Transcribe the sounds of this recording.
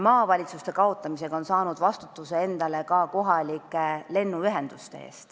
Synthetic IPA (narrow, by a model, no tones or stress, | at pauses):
mɑːvɑlʲit̪sust̪e̞kɑo̞t̪ːˑɑmise̞ɡ̥ɑo̞nsɑːnud̪vɑst̪u̥t̪ːˑuse̞e̞nd̪̥ɑle̞kɑko̞ɦɑlʲikːˑele̞nːuyɦe̞nd̪̥ust̪e̞̰ḛːst̪